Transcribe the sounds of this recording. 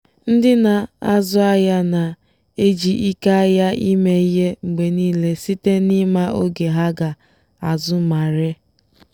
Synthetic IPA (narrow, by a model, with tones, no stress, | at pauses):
n̩˦dɪ˦na˨a˦zʊ˦a˦ja˦na˨ | e˦d͡ʒi˨ʔi˦ka˦a˦ja˦i˦me˦i˦ɦe˦ŋ͡m̩˨ɡ͡be˨niː˦le˦si˦te˦nɪ˦ma˦o˦ɡe˨ɦa˦ɡa˨ | a˨zʊ˦ma˨ɾe˦